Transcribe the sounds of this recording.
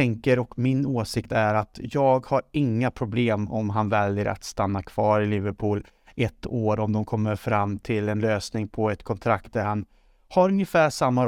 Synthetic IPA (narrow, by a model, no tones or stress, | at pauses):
ɛŋkəɾɔkmɪnoːsɪkt̪æɾat̪jɑːɡhaɾɪŋːapʰɾʊbleːmɔ̰mɦanvɛljəɾʔa̰t̪st̪anːakʰv̥ɑːɾɪlɪvəɾpʰuːl | ʔɛt̪ːoːɾɔmd̪ɔmkʰɔmːəɾfɾamːt̪ʰɪlɛnløːsnɪŋpʰɔɛt̪kʰɔnt̪ʰɾakt̪̚d̪æɾhan | haɾɵnjəfæːʂamːa